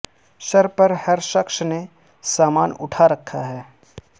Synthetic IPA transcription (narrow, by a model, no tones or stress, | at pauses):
ʃɐɾpɐɾhɐɾʃɐkʃne | saːmaːnʊ̰ʈʰaɾɐkʰːaɦɛː